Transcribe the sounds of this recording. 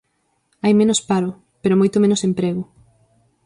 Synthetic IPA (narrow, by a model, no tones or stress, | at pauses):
ajmẽnospaɾʊ | peɾomojt̪omẽnʊsempɾeɣʊ